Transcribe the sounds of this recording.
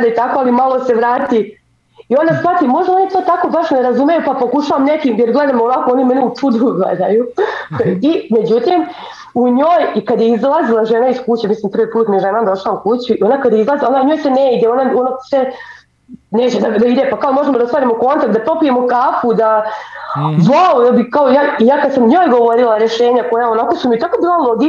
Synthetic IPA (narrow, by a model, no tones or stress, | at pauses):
d̪eit̪ako̞alimalˠo̞se̞ʋɾaːt̪i | io̞nd̪asʋat̪imːo̞ʒd̪ao̞nit̪o̞ːt̪ako̞baʃneɾazumjejupapo̞kuʃaʋamnekiːmjeɾɡled̪amoʋakoo̞nimeniut͡ʂud̪uɡlḛd̪aju | ime̞d͡ʑut̪im | uɲoːjikad̪je̞izlˠazilˠaʒenaiskut͡ɕemisliːmpɾr̩ʋipuːt̪mieʒenad̪o̞ʃlˠaukut͡ɕuio̞nakad̪jeizlˠazinauɲo̞ːjseneid̪eo̞naonase | net͡ɕed̪ad̪aid̪epakaomo̞ʒemod̪aost̪ʋaːɾimoko̞nt̪ak̚t̪apɾo̞pije̞mokaːpud̪a | ʋaoj̪abikaojaːijaːkad̪samɲo̞ːjɡo̞ʋo̞ɾilˠaɾeʃeːɲako̞jao̞nako̞sumit̪akobiːlˠalˠo̞ɡi